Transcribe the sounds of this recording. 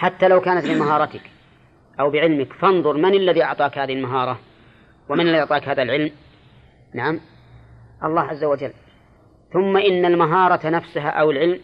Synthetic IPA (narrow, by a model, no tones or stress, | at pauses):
ħat̪ːalawkaːnat̪bɪmaɦɑːɾˤɑt̪ɪk | ʔawbɪʕɪlmɪkfɑnðˤʊɾˤmanalːaðiːʔɑʕt̪ˤɑːkhaːðɪhɪlmaɦɑːɾˤɑ | wɪmanɪlːaiʔɑʕt̪ˤɑːkhaːðalʕɪlm | naʕam | ʔɑlˤːɑːhʕazːawad͡ʒalː | θʊmːaʔɪnːalmaɦɑːɾˤɑnafsʊɦa̰ʔawɪlʕɪlm